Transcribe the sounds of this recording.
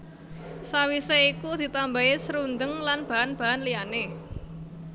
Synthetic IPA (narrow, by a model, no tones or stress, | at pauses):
sawiseikud̪̥i̤t̪ambaesəɾund̪əŋlanb̥a̤ʔanb̥a̤ʔanlijane